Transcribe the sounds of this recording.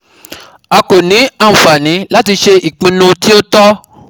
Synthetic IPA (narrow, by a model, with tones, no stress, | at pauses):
a˧ko˨nĩ˨˦ã˦˨fa˨nĩ˨˦la˦ti˧ʃe˧i˨k͡pĩ˧nũ˧ti˦o˦tɔ˦